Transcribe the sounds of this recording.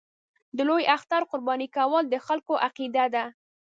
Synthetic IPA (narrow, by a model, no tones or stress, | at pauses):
d̪əlojaxt̪aɾqʊɾbɑnikawɑld̪əxalkoʔaqid̪ad̪a